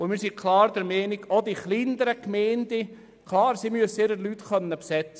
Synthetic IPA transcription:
ʊmɪːɾsikʰlɑːɾd̥̪ɛɾmɛːnɪɡod̪iχlindəɾəkmɛːnd̥̪ɪ | kʰlɑːɾsimyəsɪɾəlyt̪χœnːəpsɛt͡sə

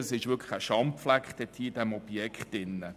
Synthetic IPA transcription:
əsɪʃvʋʏkʰlə̥χæʃɑmpflækχd̥ɛt̪ʰiːdɛmɔb̥jɛkχtɪnːə

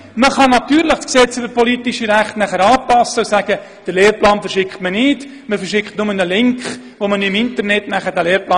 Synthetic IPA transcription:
məχɑnɑt̪yːɾlɪχksɛt͡sybəɾpɔlitiʃiɾæχtnæχəɾɑːpɑsːəusæɡ̥ə | d̥əɾleːɾplɑːnfɛɾʃɪkχtmənɪt | məfərʃɪkχtnʊmənəlɪŋkχ | ʋomənyɪmɪntərnɛtnæχəd̥æleːɾplɑː

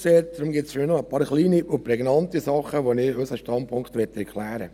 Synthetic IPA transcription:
seːt̚d̪̥ɾʊmɡɪtsfɪnɔəpɑːɾχliːniʊpɾɛɡnɑntisɑχəʋonɪøsəʃtɑntpʰʊŋkχt̪ʋɛtɛɾkʰlæːɾə̰

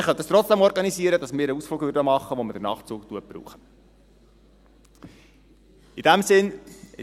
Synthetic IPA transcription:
χœnt̪ːəstɾɔt͡sd̥ɛmɔɾɡɑnisiəɾədɑsmɪːɾəusfluːkʋʏɾdəmɑχːəʋomɪd̥ənɑ̰ːχt͡suːktuəbɾṵːχə | id̥æmsɪnɪ

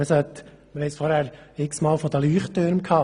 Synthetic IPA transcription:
əsœt̪ | məɾhɛsfɔɾhæːɾɪksmɑːlfɔd̪əlyːχtːøɾmkʰɑː

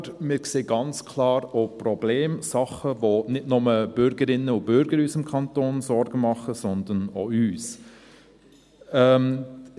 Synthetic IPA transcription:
ɾmɪːɾkseːɡɑnt͡skʰlɑːɾoprɔbleːmsɑχəvonɪdnʊməb̥ʏɾɡəɾɪnːəʊb̥ʏɾɡəɾyːsɪmkʰɑnt̪oːnsɔɾɡəmɑχəsɔnd̪ənoyːs | ɛm

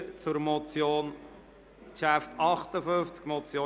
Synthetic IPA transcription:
t͡sʊɾmɔt͡sjoːn | kʃæftʰɑχtəfɵft͡skmɔt͡sjoː

